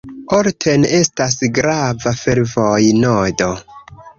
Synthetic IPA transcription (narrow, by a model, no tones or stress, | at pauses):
oɾtʰe̞ne̞stasɡɾavafe̞ɾvojnodo̞